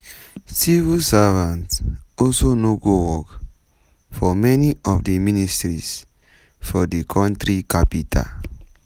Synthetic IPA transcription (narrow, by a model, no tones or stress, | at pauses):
sivilsavãntsɔlsonoɡowɔk | fɔmɛniʔɔvdəministɹis | fɔdikʰãntɹikʰapitʰa̰